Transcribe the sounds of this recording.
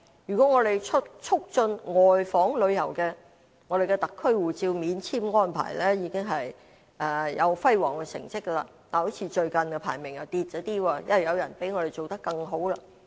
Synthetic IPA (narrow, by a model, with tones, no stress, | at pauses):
jy˨˩kʷɔ˨˦˥ŋɔː˨˧ɾe˨jt͡ʃʰʊ˥t̚t͡ʃʰʊ˥k̚t͡ʃɵ˧nŋɔː˨˩jfɔː˨˥ŋlɵ˨˧ɥjɐ˨˩wkɛː˧ | ŋɔː˨˧ɾe˨jkɛ˧t̪ɐ˨kʰːɵ˥ɥwuː˨˩t͡siː˧wmiː˨˧nt͡sʰiː˥mŋɔː˥npʰa̰ː˨˩jlɛː˥jiː˨˧kɪ˥ŋɦɐ˨j | ʔɛː˨˧jɐ˨˧wfɐ˥jwɔː˨˩ŋkɛ˧sɪ̰˨˩ŋt͡sɪ˥k̚ːə˧la˧t̪aː˨˩ho˨˥wt͡sʰiː˨˥t͡ʃɵ˧ɥkɐ˨nkɛ˧pʰa̰ː˨˩jmɪ˨˩ŋjɐ˨˩wt̪iː˧t̚t͡ʃɔː˨˥t̪iː˥wɔː˧jɐ̰˥nɐ˨˩jɐ˨˧wjɐ˨˩npe˨˥jŋɔː˧ɾe˨˩jt͡ʃo˨wt̪ɐ˥kːɐ˧ŋɦo˨˥wla˧